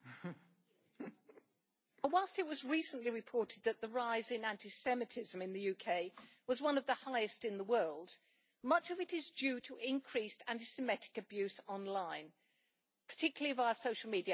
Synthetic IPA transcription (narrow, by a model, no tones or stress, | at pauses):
əwaɪlˠstɪt̚wɒzɹiˑsə̃n̩ʔliɹɪpʰɔˑtɪd̪̚ðəʔ̪̚ðəɹaɪzɪ̃næ̃ntɪsɛmɨtʰɪzə̃mɪ̃nðɨjʉkʰeɪwɒzwʌ̃nʌvðəhaɪɨstɪ̃nðəwɜːlˠd | mʌt͡ʃəvɨtɪzd͡ʒjʉːtʰəʔɪ̃nkʰɹ̥istʰæ̃ntɪsɨmɛtɪ̥kəbjʉˑsɒ̃nlãɪ̃n | pʰə̥tʰɪkjl̩ˠiəvaʊəsoʊʃl̩ˠmidiə